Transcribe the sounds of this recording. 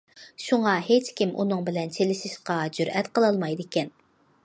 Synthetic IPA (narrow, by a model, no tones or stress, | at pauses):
ʃuŋɑɦet͡ʃkʲimʔṵnɨŋbɪlɛnt͡ʃʰelɪʃiʃqɑd͡ʒyɾɛt̪qəlˠɑlˠmɑjd̪ekʲɛn